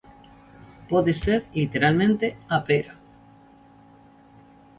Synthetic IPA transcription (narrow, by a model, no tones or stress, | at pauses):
poðeseɾlit̪eɾalmẽnt̪eapejɾa